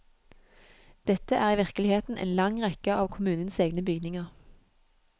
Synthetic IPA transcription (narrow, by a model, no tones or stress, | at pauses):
d̪̥ɛt̪əʔæːʁiːʋɪʁkəlɪheːt̪n̩ʔḛːnlɑŋʁɛkəɑːʋkʰʊmʉːnənseːɡnəbʏɡnɪŋɑʁ